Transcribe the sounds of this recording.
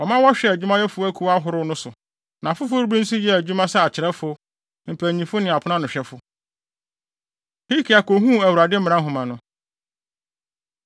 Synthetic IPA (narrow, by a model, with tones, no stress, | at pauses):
ɔ˨mã˦wɔ˦ɕᶣɛ˨æ˨d͡ʑᶣu˦mã˦jɛ˦fʊ˦æ˦kʰu˨wa˦ɦʊ˨˦ɾʊ˦nʊ̃˦sʊ˨ | nã˨fʊ˦fʊ˦ɾbĩ˦n̩˦si˦jɛ˦æ˨d͡ʑᶣu˦mã˦sa˦a˨t͡ɕʰɪ˨ɾɛ˦fʊ˦ | m̩˨pʰæ˨ɲĩ˨fʊ˦nɪ̃˨a˨pʰʊ˦ã˦nʊ̃˨ɕᶣɛ˦fʊ˦ | hi˦kʰi˨a˨ko˨ɦũ˦æ˨wu˨ɾa˨dɪ˦m̩˦m̃˨˦ã˦ɦʊ̃˨mã˨nʊ̃˦